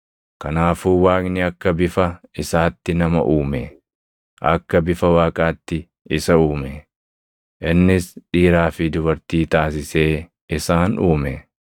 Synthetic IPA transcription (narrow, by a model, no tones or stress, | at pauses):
kɐnaːfuːwaːknɪɐkːɐbɪfɐɪsaːt̪ːɪnɐmɐ̰ʔuːmɛ | ʔɐ̰kːɐbɪfɐwaːkʼaːt̪ːɪ | ɪsɐuːmɛ | ʔɪnːɪsᶑiːɾaːfɪd̪ʊbɐɾt̪iːt̪aːs̬ɪse̞ː | ɪsaːnuːmɛ